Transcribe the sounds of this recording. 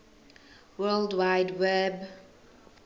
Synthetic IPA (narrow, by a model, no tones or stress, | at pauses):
wɜldwaɪdwɛb